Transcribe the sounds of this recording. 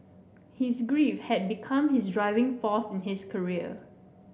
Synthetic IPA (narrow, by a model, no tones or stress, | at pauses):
hisɡɹifhɛd̚bikʰãmhisdɹaɪvɪ̃ŋfɔsɪ̃nhiskʰəɹiə̰